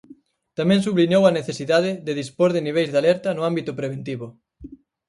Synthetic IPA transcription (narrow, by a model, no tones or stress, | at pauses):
t̪amɛ̃ŋsuβliɲowɐneθesiðaðɪðeðispoɾðɪniβ̞ejzðalɛɾt̪ɐnʊambit̪ʊpɾeβ̞ent̪iβʊ